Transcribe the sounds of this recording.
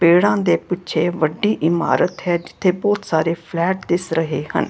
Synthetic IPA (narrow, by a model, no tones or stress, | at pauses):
peːɽãːd̪eːpɪtːʃʰeːʋəɖːiːʔɪma̰ːɾət̪ɦɛːd͡ʒɪ̥t̪ʰːeːbɔːt̪saːɾeːpʰlɛːʈ̚d̪ɪsɾəɦeːhə̰n